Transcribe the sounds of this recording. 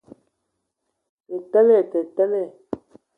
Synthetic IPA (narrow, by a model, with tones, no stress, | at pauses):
e˨tɛ˦lɛ˦˨tɛ˨tɛ˦lɛ˦˨